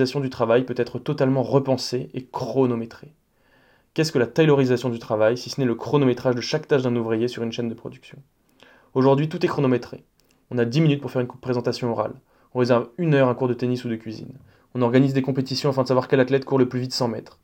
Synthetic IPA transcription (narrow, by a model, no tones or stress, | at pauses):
zasjɔ̃d̪yt̪χavajpøt̪ɛt̪χət̪ɔt̪almɑ̃ʁəpɑ̃seʔekχɔnomet̪χe | kʲɛskəlat̪ajlɔʁizasjɔ̃d̪yt̪χavajsisənɛləkχɔnomet̪χaʒd̪əʃakt̪aʃd̪ɛ̃nuvʁijesyʁynʃɛnd̪əpχɔd̪yksjɔ̃ | oʒuʁd̪ɥit̪ut̪ɛkχonomet̪χe | ɔ̃nad̪iminyt̪̚puʁfɛʁynkupχezɑ̃t̪asjɔ̃ɔʁa̰l | ɔ̃ʁezɛʁvynœʁɛ̃kuʁd̪ət̪enisud̪əkʲɥizḭn | ɔ̃nɔʁɡanizd̪ekɔ̃pet̪isjɔ̃afɛ̃d̪əsavwaʁkʲɛlat̪lɛt̪kuʁləplyvit̪sɑ̃mɛ̰t̪χ